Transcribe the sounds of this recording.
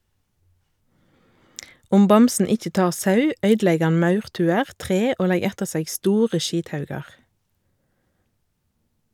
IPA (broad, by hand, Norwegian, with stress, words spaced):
ˈʊm ˈbɑmsn̩ ˈɪc͡çə ˈtɑːʁ ˈsɑʉ ˈœʏdˌlɛɡ ˈɑn ˈmɑʉʁˌtʉːəʁ ˈtʁeː ˈoː ˈlɛɡ ˈɛtəʁ ˈseːɡ ˈstuːʁə ˈʃiːtˌhɑʉɡɑʁ